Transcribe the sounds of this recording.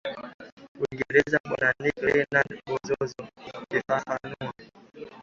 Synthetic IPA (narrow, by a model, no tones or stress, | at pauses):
wiŋɡɛɾɛzaɓɔnanikɛnanbɔzɔzɔkefahanua